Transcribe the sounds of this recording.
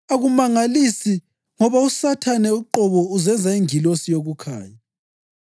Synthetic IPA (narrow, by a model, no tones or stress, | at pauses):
aɣumaŋalisi | ŋɔβausatʰanɛuǃɔβɔuzɛnd͡zʱaiŋilosijoɣukʰa̰ːja